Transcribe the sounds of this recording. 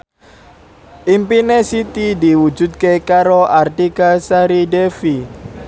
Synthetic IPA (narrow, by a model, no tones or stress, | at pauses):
ʔimpinesit̪idiwu̥d͡ʒṳd̪̚kekaɾoʔart̪ikasaɾidefi